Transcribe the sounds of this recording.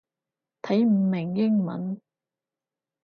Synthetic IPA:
t̪ʰɐ˨˥jm̩˨˩mɪ˨˩ŋjɪ˥ŋmɐ̰˨˥n

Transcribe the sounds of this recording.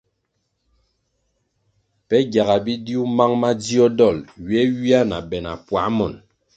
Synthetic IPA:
pɛ˦ɡja˨ɣa˨bi˦di˦u˦ma˦ŋma˦d͡zi˦ɔ˦dɔ˦˨lɥɛ˦ɥi˦a˦na˨bɛ˨na̰˨pwa˨˦mɔ˨n

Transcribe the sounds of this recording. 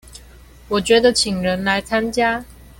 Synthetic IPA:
wɔ˨˩t͡ɕɥɛ˧˥d̪ə˨t͡ɕʰi˨˩ŋɻə˧˦˥nla˨˧˥ɪt͡sʰa˥nt͡ɕja˥

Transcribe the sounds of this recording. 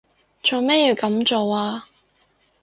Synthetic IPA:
t͡ʃɵː˨˧me˥ji˧wkɐ˨˥mt͡ʃo˨waː˧

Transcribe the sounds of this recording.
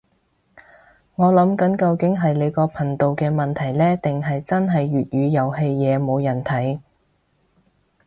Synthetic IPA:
ŋɔː˨˧lɐ˨˥mkɐ˨˥nkɐ˧wkɪ˨˥ŋɦɐ˨jle˨˧jkɔː˧pʰɐ˨˩nt̪o˨wkɛː˧mɐ˨nt̪ʰɐ˨˩jlɛː˥t̪ɪ˨ŋɦɐ˨jt͡sɐ˥nɦɐ˨jɥyː˨t̚jyː˨˧jɐ˨˩whe˧jjɛː˨˧mo˨˧wjɐ˨˩nt̪ʰɐ˨˥j

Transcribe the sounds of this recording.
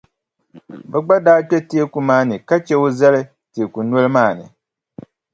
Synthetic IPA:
bɛ˨ɡ͡ba˦daː˦t͡ʃɛ˦ti˦e˦ku˨maː˦nɨ˨ka˦t͡ʃɛ˦o˦zɛ˦lɨ˦ | ti˨e˨ku˨nwɔ˦lɨ˦maː˦˨nɨ̰˨

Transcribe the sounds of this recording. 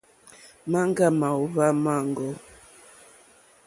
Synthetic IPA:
ma˦ŋ˦ɡa˦˨ma˨u˦βa˦ma˦˨ŋ˨ɡɔ˦

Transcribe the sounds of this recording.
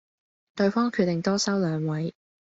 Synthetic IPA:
t̪ɵ˧ɥfɔː˥ŋkʰyː˧t̪̚e˨ŋt̪ɔː˥sɐ˥wlœː˨˧ŋwɐ˨˥j

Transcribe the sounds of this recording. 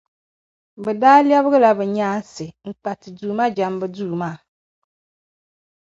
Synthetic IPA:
bɛ˨daː˦li˦ɛ˦βɨ˦ɣɨ˦la˨bɛ˨ɲaː˦n̩˦sɪ˨ŋ̩˨k͡pa˨tɪ˨duː˨ma˦d͡ʒa˨˦mbɨ˦duː˦˨maː˦˨

